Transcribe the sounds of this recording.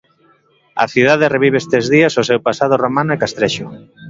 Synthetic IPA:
a̰θiðaðereβ̞iβ̞eest̪ezðiasosewpasað̞oromanoekast̪ɾeʃo

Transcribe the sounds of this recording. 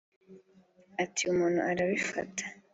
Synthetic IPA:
atʰiumuːn̤̥ṵʔaɾaβifa̰tʰḁ

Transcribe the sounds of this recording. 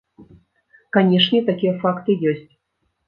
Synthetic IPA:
kanʲɛʂnʲɛt̪akʲijɛfakt̪ɨjɔsʲt͡sʲ

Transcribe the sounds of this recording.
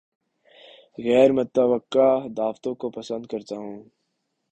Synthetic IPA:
ɣɛːɾmɐt̪ːɐʋəkːad̪aːft̪õkopɐsə̃nd̪̚kɐɾt̪aɦũː

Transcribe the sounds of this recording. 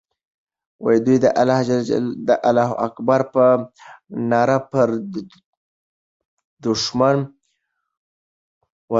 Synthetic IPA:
wa̰jd̪ujd̪əʔalahd͡ʒalaa̰d̪əʔalɑɦʔakbaɾpə | nɑɾapəɾ | d̪ʊʃman | wa

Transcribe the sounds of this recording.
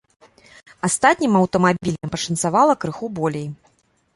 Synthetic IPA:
ast̪at̪ʲnʲimɐwt̪ɐmabʲilʲnʲɐmpɐʂɐnsavalˠɐkɾɨxubɔlʲej

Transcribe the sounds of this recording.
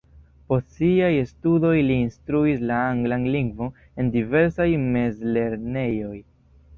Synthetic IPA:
po̞stsiajestudo̞jliːnstɾuislaaŋɡlanliŋɡvo | e̞ndive̞ɾsajme̞zle̞ɾne̞jo̞j

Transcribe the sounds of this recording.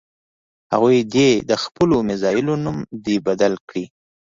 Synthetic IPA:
ha̰ɣujd̪ed̪əxpəlomɪzɑjɪlonumd̪ebad̪alkɽi

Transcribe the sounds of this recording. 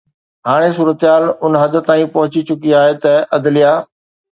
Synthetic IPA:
ɦaːɽ̃esuːɾət̪ɪɦaːlʊnɦɐd̪̆t̪aːĩpɐɦʊt͡ɕit͡ɕʊkiaːɦet̪ɐʔɐd̪ɪlijaː

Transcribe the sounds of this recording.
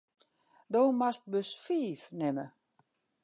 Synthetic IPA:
doːmast̚bøsfiːfnɪmə̰

